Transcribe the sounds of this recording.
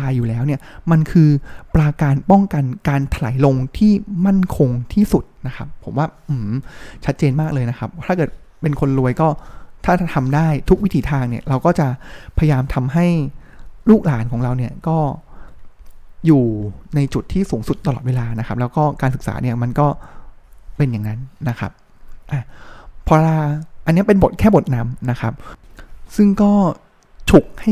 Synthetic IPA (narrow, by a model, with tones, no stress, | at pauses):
aː˧jːuː˨˩lɛː˦˥wni˥˩ɐma˧nkʰɯː˧pɾaː˧kaː˧npɔ˥˩ŋka˧nkaː˧nt̪ʰa˧la̰ː˩˦jlo˧ŋt̪ʰiː˥˩ma˥˩nkʰo˧ŋt̪ʰiː˥˩su˨˩t̪̚na˦˥kʰa˦˥pʰːo̰˨˩˦mwaː˥˩ʔɯ˨˩t͡ɕʰa˦˥t̪̚t͡ɕeː˧nmaː˥˩k̚lɤː˧jna˦˥kʰa˦˥p̚t̪ʰaː˥˩kɤː˨˩t̪̚ | pe˧nkʰo˧nɾu˧əjkɔː˥˩t̪ʰaː˥˩˥t̪ʰa˧mdaː˥˩jt̪ʰu˦˥k̚wi˦˥t̪ʰiː˧t̪ʰaː˧ŋni˥˩ɐɾa˧wkɔː˥˩t͡ɕa˨˩pʰa˧ja˧jaː˧mt̪ʰa˧mɦa˥˩jluː˥˩k̚laː˩˦nkʰɔː˩˦ŋɾa˧wni˥˩ɐkɔː˥˩ | juː˨˩na˧jt͡ɕu˨˩t̪ʰːiː˥˩suː˩˦ŋsu˨˩t̪ːa˧lɔː˨˩t̪̚weː˧laː˧na˦˥kʰa˦˥p̚lɛː˦˥wkɔː˥˩kaː˧nsɯ˨˩k̚sa̰ː˩˦ni˥˩ɐma˧nkɔː˥˩ | pe˧njaː˨˩ŋna˦˥nːa˦˥kʰa̰˦˥p̚ | ʔaː˨˩pʰːɔː˧laː˧ʔa˧nːi˦˥˩pe˧nbo˨˩t̪̚kʰɛː˥˩bo˨˩t̪̚na˦˧˥mna˦˥kʰa˦˥p̚sɯ˥˩ŋkɔː˥˩ | t͡ɕʰu˨˩k̚ha˥˩